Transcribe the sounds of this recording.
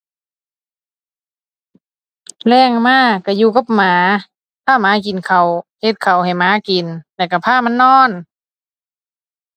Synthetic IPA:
lɛː˧˩ŋmaː˧˥˨ka˧˩juː˧ka˧˦p̚maː˨˦ | p̪ʰaː˧˥˩maː˨˧˥ki˨nkʰa˨˩whe˧˦t̪̚kʰa˨˩wha˨˩jmaː˨˧˦ki˨nlɛː˧˩wka˧˩pʰaː˧˥˨ma˧˥˨nːɔː˧˥˩n

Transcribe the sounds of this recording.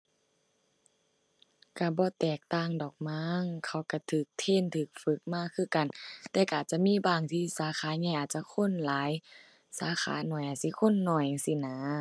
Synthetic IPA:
ka˧˩bɔː˧˦t̪ɛː˨˩k̚t̪aː˧˥˨ŋdɔː˨˩k̚maː˧˥ŋkʰa˧˩wka˧˩t̪ʰɯː˨˩k̚t̪ʰe˧˨nt̪ʰɯː˧˩k̚fɯ˧˦k̚maː˧˥˨kʰɯː˧˨ka˨nt̪ɛː˧˩ka˧˨ʔaː˨˩t͡ɕa˧miː˧˥˨baː˧˩ŋt̪ʰiː˧˨saː˨˦xʰaː˨˧˦ɲa˧˨jʔaː˨˩t̪̚t͡ɕa˧kʰo˧˥˨nlaː˨˦j | saː˨˦xa̰ː˨˦nɔ˧˩jʔaː˨˩si˧˦kʰo˧˥˨nːɔ˧˩jsi˧˦˨naː˧˦

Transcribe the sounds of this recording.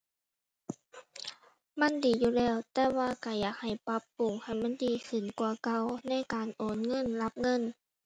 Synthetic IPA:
ma˧˥˨ndiː˨˩juː˧˩lɛː˧˩˨wt̪ɛː˧waː˧˨ka˧˩jaː˨˩k̚ha˨˩jpa˧˦˥pːu˨˩ŋha˧˩jma˧˥˨ndiː˨˩kʰɯ˨˧˩nkwa˧˩ɐka˧˩˨wna˧˥˨jkaː˨nʔoː˨˩nŋɤ˧˥˨nla˧˥p̚ŋɤ˧˥˨n

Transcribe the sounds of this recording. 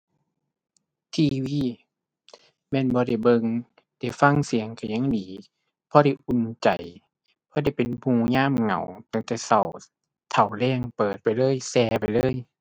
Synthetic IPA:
t̪ʰiː˧wiː˧˩˨ | mɛː˧˥˨nbɔː˧˦ɾa˧˩jbɤ˧ŋ | da˧˩˨fa˧˥˨ŋsi˨˦əŋka˧˩ɲa˧˥˨ŋdiː˨˦ | pʰɔː˧˦ɾa˧˩jʔu˧˨nt͡ɕa˨˩j | pʰɔː˧˦da˧˩jpe˨npʰũː˧˩ɲaː˧˥˨mŋa̰˨˩wt̪a˧˦˨ŋt̪ɛː˧˩sa˨˩w | t̪ʰa˨˩wlɛː˧˩˨ŋpɤː˨˩t̪̚pa˨jlɤː˧˥˨jsɛː˧pa˨jlɤː˧˥˨j

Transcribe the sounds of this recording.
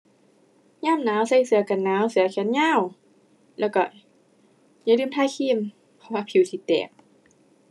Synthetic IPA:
ɲaː˧˥˨mnaː˨˥˨wsa˧˩jsɯ˨˩˦ɐka˨nːaː˨˦˥wsɯ˨˧˦ɐkʰɛ˧˦nɲaː˧˥˨w | lɛː˧˩wkɔ˧˩ | ɲaː˧˨lɯː˧˨mt̪ʰaː˧˥˨jkʰiː˧˥˨m | pʰɔ˧waː˧˨pʰi˨˦wt̪ʰiː˧˩t̪ɛ̰ː˨˩k̚

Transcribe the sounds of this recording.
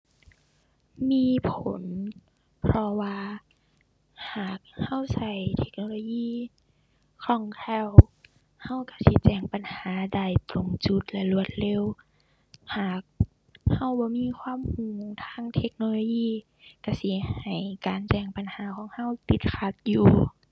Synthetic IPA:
miː˧˥˨pʰo˨˦n | pʰɾɔ˧waː˧ | haː˨˩k̚ha˧˥˨wsa˧˩jt̪ʰe̥˧k̚noː˧loː˧jiː˧˥˩ | kʰɔː˧˩ŋkʰɛ˧˩w | ha˧˥˩wka˧˩si˧˦t͡ɕɛː˧˩ŋpa˨nhaː˨˦da˧˩jt̪ɾo˧˩ŋt͡ɕu˧˦t̪̚lɛ˧lu˧˩ət̪̚le˧˨w | haː˨˩k̚ | ha˧˩wbɔː˧˦miː˧˥˨kʰwaː˧˥˨mhuː˨˧˩ŋt̪ʰaː˧˥˨ŋt̪ʰe˧˥k̚noː˧loː˧jiː˧˥˨ | ka˧˩si˨˦ɐha˨˩jkaː˨nt͡ɕɛː˧˩ŋpa˨nhaː˨˦kʰɔː˨˦ŋha˧˥˨wt̪i˧˦t̪̚kʰa˧t̪̚juː˨˧

